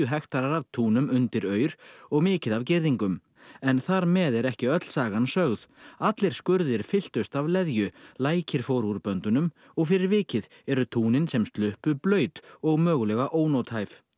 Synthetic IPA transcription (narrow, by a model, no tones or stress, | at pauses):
ʏɦɛxt̪aɾaɾavt̪ʰuːnʏmʏnt̪ɪɾœːɥɾ̥ɔɣmɪːcɪðavcɪɾðiŋkʏm | ɛnθaɾmɛðɛɾɛhcɪœt̪l̥saːɣansœɣðat̪lɪɾ̥skʏɾðɪɾ̥fɪl̥t̪ʏst̪avlɛðjʏlaːjcɪɾ̥fowɾuɾpœnt̪ʏnʏm | ɔɣfɪɾɪɾvɪːcɪð | ɛɾʏt̪ʰuːnɪnsɛmst̪lʏhpʏplœːɥt̪ɔɣmœːɣʏlɛɣaʔoːwnowt̪hajv